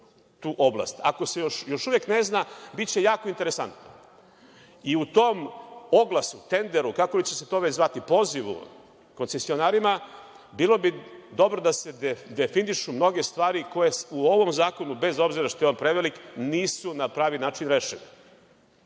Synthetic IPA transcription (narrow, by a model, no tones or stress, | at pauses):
t̪uːʔo̞blˠa̰st̪a̰kosejoʃjo̞ʃuʋjekne̞znabitt͡ɕe̞jaːkoint̪e̞ɾesa̰nt̪no̰ | iut̪o̞ːmo̞ɡlˠasut̪e̞nd̪e̞ɾukakolit͡ɕe̞set̪o̞ːʋe̞t͡ɕzʋat̪ipo̞ːziʋṵ | ko̞nse̞sio̞naːɾima | biːlˠo̞bid̪o̞bɾo̞d̪ase̞d̪efiniʃumno̞ɡe̞st̪ʋaːɾiko̞jesuo̞ʋo̞mzaːko̞nube̞zo̞bziɾaʃt̪o̞jeonpɾeʋelikniːsunapɾaːʋinaːt͡ʃinɾeʃeni